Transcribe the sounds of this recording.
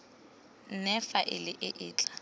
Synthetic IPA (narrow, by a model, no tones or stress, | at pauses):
n̩nɛfaʔɪlɪʔɪʔɪːt͡ɬʼḁ